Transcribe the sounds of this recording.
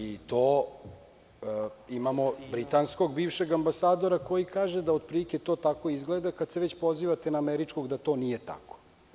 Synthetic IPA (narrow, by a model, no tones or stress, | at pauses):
it̪o̞ː | imamo̞bɾit̪ansko̞ɡbiːʋʃeɡambasaːd̪o̞ɾako̞jikaːʒed̪aod̪̚pɾilikʲet̪o̞ːt̪ako̞izɡled̪akad̪seʋet͡ɕpo̞ziʋat̪enaːmeɾit͡ʃko̞ɡd̪at̪o̞nije̞t̪a̰ko̥